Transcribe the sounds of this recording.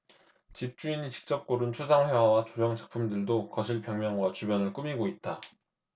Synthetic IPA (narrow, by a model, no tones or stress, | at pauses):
t͡ɕip̚t͡ɕ͈uinit͡ɕi̥k̚t͡ɕ͈ʌp̚k͈oɾɯnt͡ɕʰud͡ʑaŋɸe̞wawat͡ɕod͡ʑʌŋd͡ʑʰḁk̚pʰumdɯɭdokʌɕʰiɭpjʌŋmjʌŋɡwat͡ɕubjʌnɯɭk͈umiɡoit̚t͈a